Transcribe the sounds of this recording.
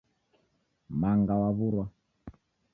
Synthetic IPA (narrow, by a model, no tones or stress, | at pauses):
maŋɡawaβuɾwa